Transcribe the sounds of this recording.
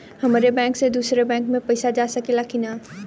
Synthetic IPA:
hɐmaːɾebɛ̃ːŋksed̪uːsɾebɛ̃ːŋkmẽpɐɪsad͡ʒaːsɐkelakinaː

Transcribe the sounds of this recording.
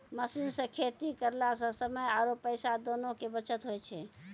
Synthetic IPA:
məsinsə̃kʰet̪ikəɾlasə̃səməjaɾopəjsad̪onokebət͡ʃət̪ɦojt͡ʃʰɛ

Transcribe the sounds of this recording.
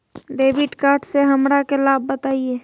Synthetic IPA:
ɖeːbɪʈkaːɾʈseɦəmɾakelaːbːət̪aːie

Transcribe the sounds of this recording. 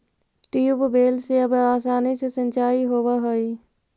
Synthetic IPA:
ʈijubbeːlseɐbaːsaːnisesə̃nʲt͡ʃaːiɦoːʋaɦoiː

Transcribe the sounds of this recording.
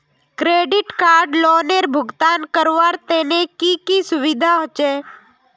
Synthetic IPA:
kɾeɖiʈkaɾɖloneɾbʱʊɡt̪ankəɾʋaɾt̪enekikisʊʋid̪ʱaɦət͡ʃe

